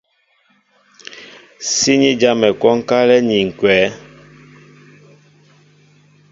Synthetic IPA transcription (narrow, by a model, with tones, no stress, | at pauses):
si˦ɲi˦d͡ʒa˦mɛ˨kɔ˦ŋ˦ka˦lɛ˦ɲi˨ŋ̩˨kwɛː˨˦